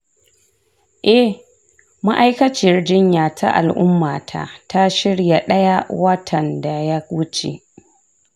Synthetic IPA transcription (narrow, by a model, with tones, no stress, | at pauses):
ʔɛ˦ | ma˦ʔa˦jkɐ˦t͡ʃɪ˨rd͡ʒɪ˦ɲjaː˨tʰa̰˦ʔa̰˨lʔʊ̰˦mːaː˨tʰa̰˨ʔta˦ʃɪ˦ɽja˨ɗɐ˦ja˦wɐ˦tʰɐ˨nda˨ja˦wʊ˦t͡ʃḛ˨ʔ